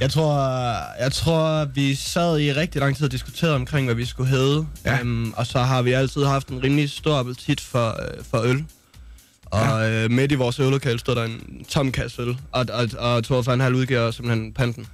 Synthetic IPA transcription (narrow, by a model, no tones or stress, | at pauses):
jɑ̈ɪt͡sʰʁo̝ɐ̰jɑ̈ɪt͡sʰʁo̝ɐ̰ʋisæð̰ˠiʁɛɡ̥̚d̥ilɑ̈ŋ̰t͡sʰiðˠɐd̥isɡ̥ut͡sʰe̝̰ːɐðˠɒ̽mkʰʁeŋ̰ʋæʋisɡ̥uɦeːðˠəʔɒ̽sɒ̽ɦɑ̈ʋiæl̰t͡sʰið̞̰ˠɦɑ̈fd̥enʁiːmlisd̥o̝ɐ̰æb̥ʰælt͡sʰid̥fɒfɒ̽øl | ʔɒ̽ømed̥iʋɒːsølo̝kʰɛ̰ːlsd̥o̝ð̰ˠd̥ɑe̝nt͡sʰɒ̽m̰kʰæslɒ̽ɒ̽ɒ̽t͡sʰoɐfɒnɦæluð̞ˠɡøɐsemb̥l̩henpʰænd̥n̩